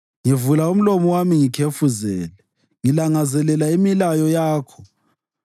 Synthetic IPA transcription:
ŋivulaum̩lomɔwamiŋikʰefuzɛːlɛ | ŋilaŋazɛlɛlaimilajɔjaːkʰɔ̥

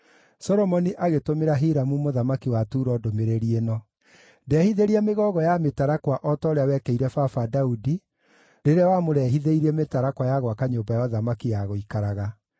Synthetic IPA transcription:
sɔɾɔmɔniʔaɣetomeɾaɦeɾamumoðamakiwatuːɾɔdomeɾeɾienɔ | dɛhiðeɾiɛmeɣɔɣɔjametaɾakwaʔɔtɔɾeawɛkɛiɾɛfafadaudi | ɾeɾeawamoɾɛɦiðeiɾɛmetaɾakwajaɣwakaɲoːbajaɔðamakijaɣoikaɾaɣa

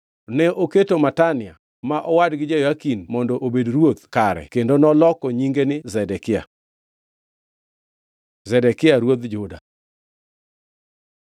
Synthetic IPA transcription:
nɛʔoketomatanɪa | maʔɔwadɡɪd͡ʒejakinmɔndɔʔobedɾwot̪kaɾɛ̰kendonɔlɔkɔɲiŋɡenɪzɛdɛkɪa̰ | zɛdɛkɪaɾwot̪d͡ʒʊda̰

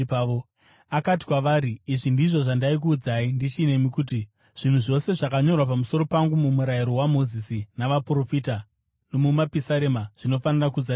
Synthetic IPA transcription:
o | akati̥kwaʋaːɾiːʐindiʐo̞ʐandaik̬uːd͡zaindit͡ʃine̞mikuːt̬i | ʐ̥in̤uʐo̞se̞ʐakaɲo̞rwapamuso̞ɾo̞paŋɡumumuɾaiɾo̞wamo̞zisinaʋapro̞fita | no̞mumapisaɾemaʐ̥ino̞fanirakud͡za

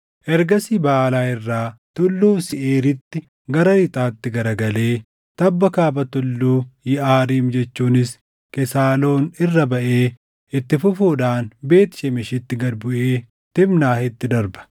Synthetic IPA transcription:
ʔɛɾɡɐsiːbaːlaːɪrːaːt̪ʊlːuːsɪʔeːɾɪt̪ːɪ | ɡɐɾɐɾɪt̪ʼaːt̪ːɪɡɐɾɐɡɐle̞ː | t̪ɐbːɐkaːbɐt̪ʊlːuːjɪʔaːɾiːmd͡ʒɛt͡ʃːuːnɪs | kɛsaːlo̞ːnɪrːɐbɐʔeː | ɪt̪ːɪfʊfuːd̪aːnbe̞ːt̪ɪ̥ʃɛmɪʃɪt̪ːɪɡɐd̪bʊʔeː | t̪ɪmnaːhɪt̪ːɪd̪ɐɾbɐ̥

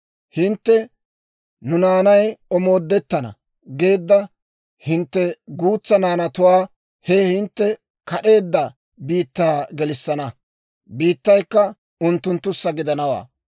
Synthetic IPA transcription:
hɪnt̪ːɛ | nʊnaːnɐjɔmo̞ːd̪ːɛt̪ːɐnɐ̰ | ɡe̞ːd̪ːɐ | hɪnt̪ːɛɡuːt͡sːɐnaːnɐt̪ʊwaː | hɛhɪnt̪ːɛ | kɐɗe̞ːd̪ːɐ | biːt̪ːaːɡɛlɪsːɐnɐ | biːt̪ːɐjkːɐ | ʊnt̪ːʊnt̪ːʊsːɐɡɪd̪ɐnɐwa̰ː

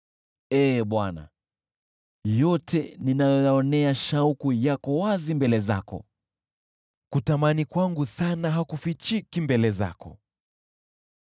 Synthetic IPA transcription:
ɛːɓwana̰ | jɔtʰɛninajɔjaɔnɛaʃaukujakɔwazimbɛlɛza̰kɔ̰ | kutamanikwaŋɡusanaɦakufit͡ʃikimbɛlɛza̰kɔ̰

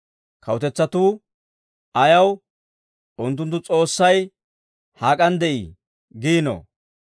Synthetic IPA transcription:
kʰɐwʊt̪ɛt͡sːɐt̪uː | ɐjɐw | ʔʊnt̪̬ːʊnt̪ːʊt͡sʼo̞ːsːɐj | haːkʼɐnd̪ɛʔḭː | ɡiːno̰

